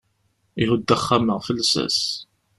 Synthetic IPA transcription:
ihud̪ːæχːaməʁfəlːsæ̰s

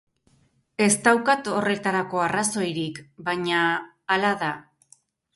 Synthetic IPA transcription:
e̞st̪awkat̪o̞re̞t̪aɾako̞araso̞jɾikbaɲaː | laða

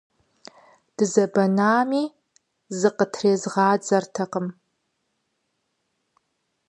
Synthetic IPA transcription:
d̥ɨzɐbɐnaːmiː | zɨqətʰreːzʁɑːd͡zɐrtʰɐqəm

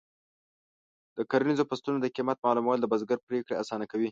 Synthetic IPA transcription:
d̪̥əkaɾanizopast̪unod̪əkimat̪̚mɑlumwɑld̪əbazɡaɾpɾekɽeasɑnakawi

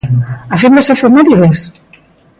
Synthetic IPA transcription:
afind̪esefeɾmeɾiðes

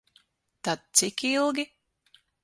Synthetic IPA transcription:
t̪ad̪̚t̪sikilˠɡʲi

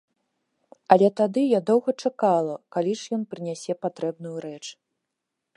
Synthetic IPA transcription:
ɐlʲɛt̪ad̪ɨjad̪ɔwɣɐt͡ʂakalˠɐkalʲiʂjɔnpɾɨnʲasʲɛpat̪ɾɛbnujuɾɛt͡ʂ

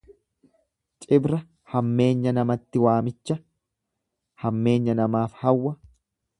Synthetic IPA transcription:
t͡ʃʼɪbɾɐ | hɐmːe̞ːɲːɐnɐmɐt̪ːɪwaːmɪt͡ʃːɐ | hɐmːe̞ːɲːɐnɐmaːfhɐwːɐ

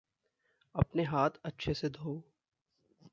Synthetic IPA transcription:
ɐpneɦaːt̪ʰɐtːʃʰesed̪ʱoː

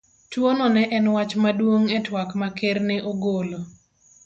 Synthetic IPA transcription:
twonɔnɛʔɛnwat͡ʃmadwoŋɛtwakmakerneʔoɡolo

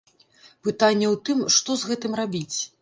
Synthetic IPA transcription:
pɨt̪anʲːɛwt̪ɨmʂt̪ɔzɣɛt̪ɨmrabʲit͡sʲ

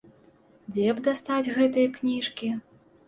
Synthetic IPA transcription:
d͡zʲɛbd̪ast̪ad͡zʲɣɛt̪ɨjɐknʲiʂkʲi

